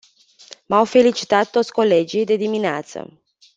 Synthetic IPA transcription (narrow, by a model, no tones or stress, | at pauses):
mawfe̞lit͡ʃi̥t̪at̪ːo̞t̪sʲko̞le̞d͡ʒijd̪e̞d̪imineat̪sə̰